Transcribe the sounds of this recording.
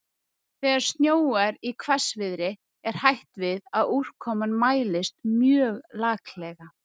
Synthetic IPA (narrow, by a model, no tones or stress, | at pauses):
θɛːɣaɾ̥st̪njoːwaɾikʰvɛsvɪðɾɪ | ɛɾ̥hajht̪vɪðaður̥kʰɔmanmaːjlɪst̪mjœːɣlaːklɛɣa